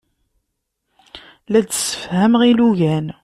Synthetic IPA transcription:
læd̪sə̥fhæmʁiluʝæn

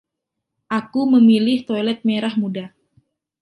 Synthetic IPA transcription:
ʔakuməmilɪht̪ojlɛt̪̚meɾahmuda

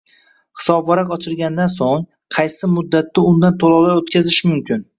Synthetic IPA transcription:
hɪ̥sɒbvɒɾaqɒt͡ʃʰɪlɡʲand̪ansoŋ | qʰɑjsɪmʊd̪ːat̪ːɪʊnd̪ant̪ʰolˠɒlˠaɾot̪kʲazɪʃmʊmkʲʰɪn

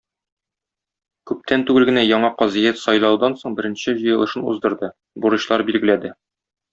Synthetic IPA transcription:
kʉp̚t̪ʰænt̪ʉɡɘlɡɘ̆næjɒɴɑqɒzijæt̪sɒjlˠɑwd̪ɑnsoɴbɘ̆ɾɘ̆nɕɘʑɤ̆jɤ̆lˠɤ̆ʃɤnṵzd̪ɤ̆ɾd̪ɤ | buɾɤ̆ɕlˠɑɾbilɡɘ̆læd̪ɘ

